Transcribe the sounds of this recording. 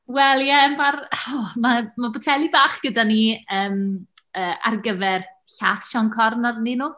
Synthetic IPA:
wɛlˠjɛmarɔmamabɔtʰɛlˠibaːχɡ̥ədaniəːməːa̰rɡəvɛr | ɬaθʃɔŋkʰɔrnaðninuː

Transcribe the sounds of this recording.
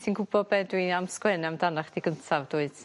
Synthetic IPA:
θinɡʊbɔbɛdwiamskwɛnɛamdanaχd̥iɡəntʰavduːɨd̥

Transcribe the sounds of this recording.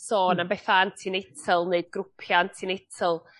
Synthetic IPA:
soːnanbɛθantʰiːnɪtʰəlˠneɨd̥̚ɡrʊpʰjantʰinɪtʰəlˠ

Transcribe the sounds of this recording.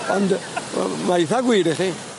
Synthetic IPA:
ɔnd | majθaɡwiːɾiχi

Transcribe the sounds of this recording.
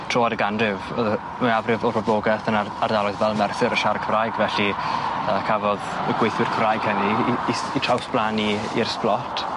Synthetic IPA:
tʰr̥oadəɡandrɪvɔðə | maavrɪvɔrɔbloɡɛθənaardalˠɔɨðvɛlˠmɛrθɪɾəʃarkʰəvrajɡvɛɬiəkʰavɔðəɡwejθwɪrkʰəvrajɡ̥həni | itʰrawsb̥lˠani | ḭrsplɔtʰ

